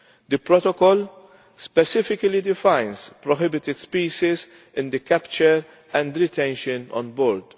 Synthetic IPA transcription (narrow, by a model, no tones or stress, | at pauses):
d̪əpɾɔt̪ɔkɔl | spɛsɪfɪkɐlid̪ɪfãjnspɾɔɦɪbɪt̪ɪd̪spiːʃɪz | ɪ̃nd̪ɨkɛpt͡ʃəɾ | ɛ̃nd̪ɾɪt̪ɛ̃nʃənɔ̰̃nbɔːɾd̪